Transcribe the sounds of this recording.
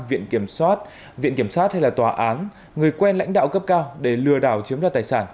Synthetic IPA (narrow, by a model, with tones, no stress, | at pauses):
vḭ˧˨ənki˧˩əmswaː˦˥t̚ | vḭ˧˨nki˧˩əmswaː˦˥t̚ha˧jlaː˨˩t̪waː˨˩ʔaː˨˦n | ŋɨ˨˩əjkwɛ˧nla̰˧˥jŋ̟ɗa̰ː˧˨wkə˦˥p̚kaː˧wɗe˧˩lɨ˧˩əɗaː˧˩wt͡ɕi˨˦əmlaː˨˩t̪aː˨˩jsaː˧˩n